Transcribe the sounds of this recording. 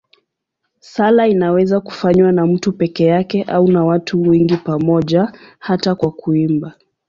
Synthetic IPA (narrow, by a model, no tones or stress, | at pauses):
salainawɛzaku̥faɲwanam̩tupɛkɛjakɛʔaunawatʰuwɛŋɡipamɔʄahatakwakuimba